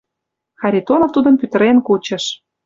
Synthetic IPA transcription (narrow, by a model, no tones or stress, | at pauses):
xɑɾʲit̪onoft̪ud̪ə̆npyt̪ə̆ɾenkut͡ɕə̆ʃ